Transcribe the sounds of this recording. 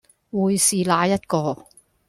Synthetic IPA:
wuː˨˧jsiː˨˩laː˧jɐ˥t̚kɔː˧

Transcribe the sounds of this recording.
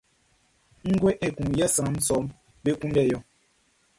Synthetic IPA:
ŋ̩˦ɡwe˦ʔe˨ku˨ŋjɛ˦sã˨˦m̩˦sɔ˨˦m | be˦ku˦ndɛ˦˨jɔ˨

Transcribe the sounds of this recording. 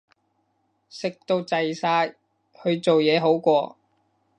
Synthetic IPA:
sɪ˨k̚t̪o˧wt͡sɐ˨jsaː˧j | hɵ˨˧ɥt͡so˨wjɛː˨˧ɦo˨˥wkʷɔː˧

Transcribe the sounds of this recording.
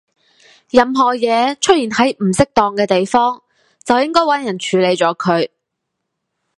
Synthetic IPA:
jɐ˨mɦɔː˨jɛː˨˧t͡ʃʰɵ˥t̚jiː˨˩nhɐ˨˥jm̩˨˩sɪ˥k̚t̪ɔː˨ŋkɛː˧t̪e˨jfɔː˥ŋ | t͡sɐ˨wjɪ˥ŋkɔː˥jwɐ˨˥njɐ˨˩nt͡ʃʰyː˨˥le˨˧jt͡ʃɔː˨˥kʰɵ˨˧ɥ

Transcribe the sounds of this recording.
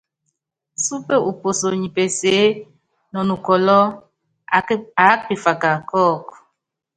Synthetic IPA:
su˦pe˦u˨po˨so˨ɲi˨pe˨se˨˦ | nɔ˨nu˨kɔ˨lɔ˦ | a˨˦kpi˨fa˨ka˨kɔ˦˨k

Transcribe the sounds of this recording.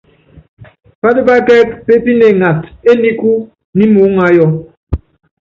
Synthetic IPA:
pa˦də˦ba˦kɛ˦kpe˦pi˦ne˨ŋa˨te˦ni˦ku˦ | ni˦mu˨˦ŋa˨˦jɔ˨

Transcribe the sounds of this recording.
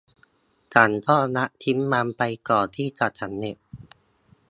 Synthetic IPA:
ta˨˩nt̪ʰɔː˥˩na˦˥ʔt̪ʰi˦˥mːa˧mpa˧jkɔː˨˩t̪ʰiː˥˩t͡ɕa˨˩t͡ɕʰa˦˥˩nːe˧˩ʔ̚

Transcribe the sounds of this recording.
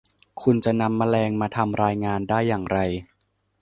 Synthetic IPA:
kʰu˧nt͡ɕa˨˩na˧mːaː˧lɛː˧ŋmaː˧t̪ʰa˧mɾaː˧jŋaː˧ndaː˥˩jːaː˨˩ŋɾa˧j

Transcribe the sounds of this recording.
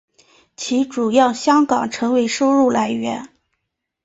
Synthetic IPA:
t͡ɕʰi˧˥ʈ͡ʂu˨˩jɑ˥˩ʊɕjɑ˥ŋkɑ˨˩ŋʈ͡ʂʰɤ˧˥ŋwe˧˥ɪʂo˥ʊɻu˥˩la˧˥ɪɥɛ˧˥n

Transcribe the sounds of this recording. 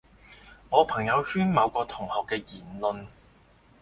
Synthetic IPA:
ŋɔː˨˧pʰɐ˨˩ŋjɐ˨˧whyː˥nmɐ˨˧wkɔː˧t̪ʰʊ˨˩ŋhɔː˨kːɛː˧jiː˨˩nlɵ˧n

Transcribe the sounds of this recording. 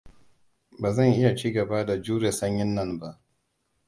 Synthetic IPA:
baː˨zɐ˦˨ŋʔɪ˦ja˨t͡ʃiː˦ɡɐ˨ba˦da˨d͡ʒuː˦ɾe˨sɐ˦ɲjɪ˦nːɐ˦nba˦ʔ

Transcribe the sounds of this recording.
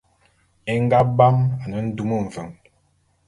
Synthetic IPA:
e˦ŋ˦ɡa˦ba˦ma˨nə˨˦n̩˦du˦mə˦˨ɱ̩˨və˨ŋ

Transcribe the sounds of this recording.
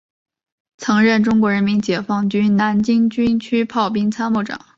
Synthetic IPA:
t͡sʰɤ˧˥ŋɻə˥˩nʈ͡ʂʊ˥ŋkwɔ˧˥ɻə˧˥nmi˧˥nt͡ɕjɛ˨˩fɑ˥˩ŋt͡ɕy˥na˧˥nt͡ɕi˥ŋt͡ɕy˥nt͡ɕʰy˥pʰɑ˥˩ʊp̬i˥ŋt͡sʰa˥nmu˥˩ʈ͡ʂɑ̰˨˩˦ŋ

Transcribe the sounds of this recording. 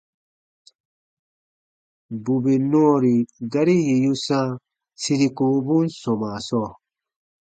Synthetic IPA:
bu˨be˨nɔ̃˦˨ɾi˨ɡa˦ɾi˦je˨ju˦sã˦ | si˧ɾi˧ku˨˦bũ˦nsɔ̃˨mã˨sɔ˦˨

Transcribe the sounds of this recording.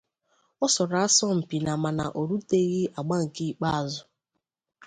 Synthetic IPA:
ɔ˦sɔ˨ɾa˦sɔ˦m̩˨pi˨na˨ma˨na̰˨ʔo˨ɾu˦te˦ɣi˦a˨ɡ͡ba˦ŋ̩˨ki˦k͡pa˦a˨zʊ˦

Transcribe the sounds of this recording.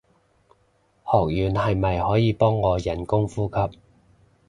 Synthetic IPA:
hɔː˨˩k̚jyː˨˩nhɐ˨jmɐ˨jhɔː˨˥jiː˨˧pɔː˥ŋːɔː˨˧jɐ˨˩nkʊ˥ŋfuː˥kʰɐ˧p̚

